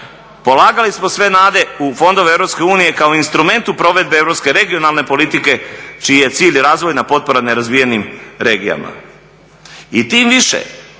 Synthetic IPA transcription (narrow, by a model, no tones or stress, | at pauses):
po̞lˠaːɡalismo̞sʋe̞naːd̪e̞ufo̞nd̪o̞ʋeevɾo̞pske̞uːnije̞kao̞inst̪ɾume̞nt̪upɾo̞ʋe̞d̪beevɾo̞pske̞ɾe̞ɡio̞nalˠne̞po̞lit̪ike̞t͡ʃiije̞t̪siːʎɾaːzʋo̞jnapo̞t̪̚po̞ɾaneɾazʋijenimɾe̞ːɡija̰ma̰ | it̪iːmʋiʃḛ